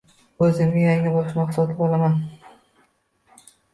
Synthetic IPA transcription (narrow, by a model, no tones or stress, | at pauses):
ɵzɪmɪjaŋɪbɒʃmaχsɒt̪ʰɪbolˠaman